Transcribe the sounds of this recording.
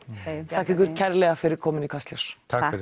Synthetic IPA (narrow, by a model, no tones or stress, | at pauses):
θʰahkɪkʏɾcʰɛɾlɛɣafɪɾɪɾ̥kʰɔːmɪnikʰast̪lɔst̪ʰa